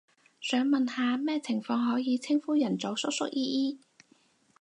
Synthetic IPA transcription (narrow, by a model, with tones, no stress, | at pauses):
sœː˨˥ŋmɐ˨nhaː˨mɛː˥t͡sʰɪ˨˩ŋfɔː˧ŋɦɔː˨˥jiː˨˧t͡sʰɪ˥ŋfuː˥jɐ˨˩nt͡so˨˥wsʊ˥k̚sʊ˥k̚ʔjiː˥ʔiː˥